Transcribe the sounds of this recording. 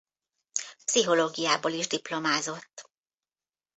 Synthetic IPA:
psiɦo̞loːɡijaːboːliʒd̪iplo̞maːzo̞t̪ː

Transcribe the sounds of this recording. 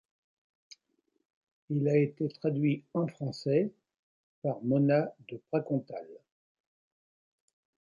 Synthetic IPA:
ilaet̪et̪χad̪ɥiɑ̃fχɑ̃sɛ | paʁmɔnad̪əbʁakɔ̃t̪al

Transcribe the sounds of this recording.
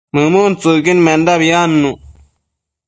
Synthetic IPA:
mɐmuːnt͡suɡinmend̪aβijaːnːu

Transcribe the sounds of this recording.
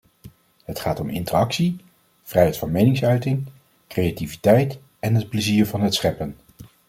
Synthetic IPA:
ɦətχaːtɔmɪ̰ntərɑksi | v̥rɛjɦɛjtfɑnmejnɪŋsœɥtɪŋ | krejativitɛjt | ɛnɦət̚plɛziːɹvɑnɦətsχɛpən

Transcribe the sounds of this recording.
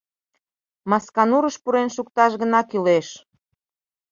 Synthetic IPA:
mɑskɑnuɾəʃpuɾenʃuk̚t̪ɑʃɣənɑkyleʃ

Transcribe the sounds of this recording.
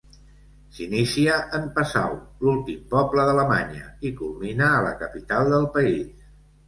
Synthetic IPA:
sinisiəʔəmpəsa̰wlulˠt̪impɔbləðələma̰ɲə̰ikulˠminəːlə̰kəpit̪alˠd̪əlˠpəis

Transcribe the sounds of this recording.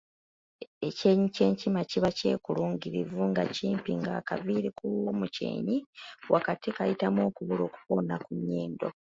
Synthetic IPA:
e̞ce̞ːɲice̞ːɲcimaciβace̞ːkuluːŋɡiɾivuŋɡaciːmpiŋɡa̰kaviɾikuomuce̞̰ːɲiwakatikajitamo̞ːkuβulo̞ːku̥po̞nakuɲːe̞ːndo̞

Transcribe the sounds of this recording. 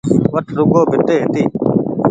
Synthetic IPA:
ʋəʈʰɾʊɡoːbʱɪt̪eːɦɪt̪iː

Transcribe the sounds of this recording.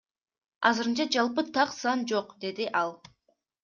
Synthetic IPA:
ɑzɨɯɾɯnt͡ʃɑd͡ʒɑlˠpɯt̪ʰɑqsɑnd͡ʒoqd̪e̞d̪iʔɑlˠ

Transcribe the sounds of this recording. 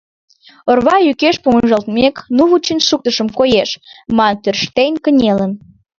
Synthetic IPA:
orβɑjykeʃpuməʒəlt̪meknuβut͡ɕinʃuk̚t̪əʃəmkojeʃmɑnt̪ørʃt̪enʲkənʲelən

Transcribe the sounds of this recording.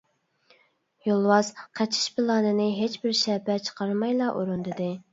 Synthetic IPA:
jolˠwɑz̥qʰɛt͡ʃʰɪ̥ʃpɪlˠɑːnɨnɪɦet͡ʃbɪɾʃɛpɛt͡ʃʰə̥qʰɑɾmɑjlˠɑʔoɾund̪ɨd̪ɨ

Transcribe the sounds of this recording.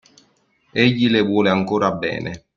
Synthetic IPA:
eʎːilevwɔːleaŋkoːɾabːɛ̰ːne

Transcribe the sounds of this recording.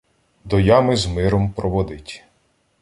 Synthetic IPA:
d̪ɔjɑmɪzmɪɾɔmpɾɔʋɔd̪ɪtʲ

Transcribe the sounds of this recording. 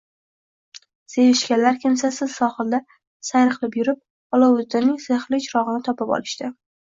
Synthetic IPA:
sevɪʃkʲanlːaɾkʲʰɪmsasɪzsɒχɨlˠd̪a | sajɾɨqlˠɪpjʊɾɪp̚ | ɒlˠawʊzd̪ɪnɪŋzeχlɪt͡ʃʰɾɒʁɨnɪt̪ʰɒpɪpɒ̰lˠɪʃt̪ɪ

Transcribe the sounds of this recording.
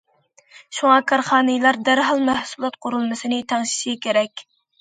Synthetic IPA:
ʃuŋɑkʰɑɾχɑːnɨjlˠɑɾd̪æɾɦɑlˠmæhsulˠɑt̪qʰʊɾulˠmɨsɨnɪt̪ʰɑŋʃi̥ʃiɡʲɛkʲʰeɾɛkʲ

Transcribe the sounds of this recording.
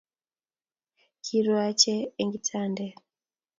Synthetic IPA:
kʰiɾwat͡ʃeːŋɡitʰaːnde

